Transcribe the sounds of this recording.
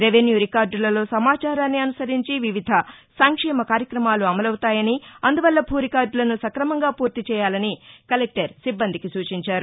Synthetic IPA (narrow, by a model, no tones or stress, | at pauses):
ɾeʋenjuːɾikaːɾɖlɐlo̞ːsɐmaːt͡ʃaːɾaːnːiɐnusɐɾiɲt͡ʃiʋiʋid̪ʱɐ | sɐŋkʂɛːmɐkaːɾjɐkɾɐmaːluɐmɐlɐwut̪aːjɐniɐnd̪uʋɐlːɐbʱuːɾikaːɾɖlɐnusɐkɾɐmɐŋɡaːpuːɾt̪it͡ʃɛːjaːlɐnikɐlek̚ʈɐɾsibːɐnd̪ʱikisuːt͡ʃiɲt͡ʃaːɾu